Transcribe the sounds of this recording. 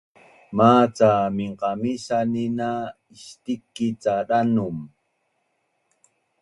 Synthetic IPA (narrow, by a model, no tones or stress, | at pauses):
maːt͡samiɴqɑmisanina | iʃt̪ikːit͡saɾanʊm